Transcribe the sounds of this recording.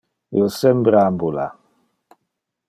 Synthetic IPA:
jɔsɛmbɾambola̰

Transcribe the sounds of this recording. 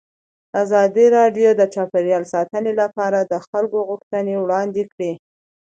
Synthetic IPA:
azɑd̪iɾɑɖjod̪ət͡ʃɑpeɾjɑlsɑt̪ənelapɑɾad̪əxalkoɣʊxt̪ənewɽɑnd̪ekɽi

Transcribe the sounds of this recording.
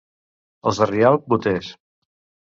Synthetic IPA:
əlˠzərialˠbut̪eʃ

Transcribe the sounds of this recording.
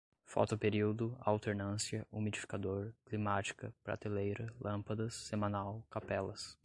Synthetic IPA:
fɔ̰t̪ʊpeɾiwd̪ʊa̰wt̪eɾnɐ̃siɐumid͡ʒifi̥kad̪oɾklimat͡ʃi̥kɐpɾa̰t̪elejɾɐlʔɐ̃pɐd̪ɐsːemɐ̃nawkapɛlɐs

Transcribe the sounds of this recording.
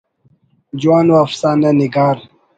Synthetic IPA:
d͡ʑuaːnuafsaːnaniɡaːɾ

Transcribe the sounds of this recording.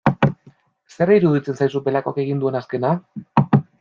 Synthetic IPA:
se̞riɾuðit͡se̞nsajsupe̞lako̞ake̞ɣ̞ind̪ue̞naske̞na

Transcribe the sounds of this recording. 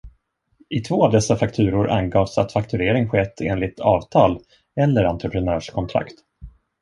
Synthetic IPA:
ɪt̪ʰvoːavd̪ɛsːafakt̪ʰʉ̟ːɾʊɾʔa̰nɡɑːvsa̰t̪fakt̪ʰɵɾeːɾɪŋɧɛt̪ʰːḛːnlɪt̪ʰɑːvt̪ʰɑːl | ɛlːəɾant̪ɾəpʰɾɛnœːʂkʰɔnt̪ʰɾa̰kt̪

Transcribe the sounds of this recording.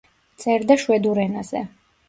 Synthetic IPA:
t̪sʼɛɾd̪aʃwɛd̪uɾɛnazɛ̰

